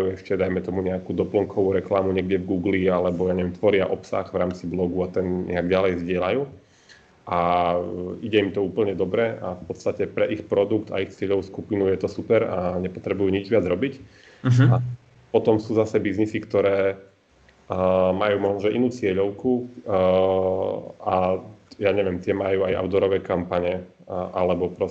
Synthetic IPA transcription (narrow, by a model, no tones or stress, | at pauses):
ajuɛʃcɛd̪ajmɛt̪ɔmuɲɛakuːd̪ɔplɔŋkʰɔʋuɾɛklamuɲɛɡdɛvɡuːɡlialɛbɔjaɲɛʋɛmt̪ʋɔɾɪaʔɔpsa̰ɣʋɾaːmt͡siblɔɡuat̪ɛnɲɛ̰aɡɟalɛjvzɟɪɛlajuː | ʔa | iɟɛimt̪ɔuːpl̩ɲɛd̪ɔbɾɛafpɔt̪st̪acɛpɾɛʔixpɾɔd̪ukt̪a̰ixt͡sɪɛʎɔʋskupinujɛt̪ɔsupɛɾaɲɛpɔt̪ɾɛbujuːɲid͡ʒʋɪad͡zɾɔbic | a | pɔt̪ɔmsuːzasɛbiznisikt̪ɔɾɛː | majuːmɔʒnɔʒɛʔinuːt͡sɪɛʎɔʊku | ajaɲɛʋɪɛmt̪ɪɛmajuːaja̰ʊd̪ɔɾɔʋɛːkampaɲɛ | ʔalɛbɔpɾɔ